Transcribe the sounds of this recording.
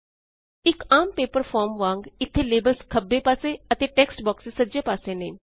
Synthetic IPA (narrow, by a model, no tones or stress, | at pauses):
ikampepəɾfɔɾmʋãŋɡit̪ʰːelebəlskʰəbːepaseət̪eʈeksʈbɔksesəd͡ʑepasenen